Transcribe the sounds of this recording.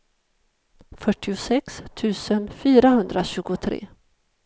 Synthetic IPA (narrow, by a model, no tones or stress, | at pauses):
fœʈːɪʊsɛkst̪ʰʉ̟ːsənfyːɾahɵnd̪ɾaɕʉ̟ːɡʊt̪ʰɾḛː